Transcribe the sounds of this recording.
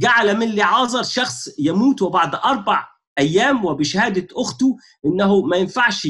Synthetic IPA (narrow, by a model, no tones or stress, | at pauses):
ɡaʕlæmɪnliʕɑːzˤɑɾˤʃɑxsˤjæmuːt̪wɪbaʕd̪ʔɑɾˤbɑʕ | ʔæjːæːmwɪbɪʃhæːd̪æʔʊxt̪u | ʔɪnːæɦʊmæjenfaʕʃ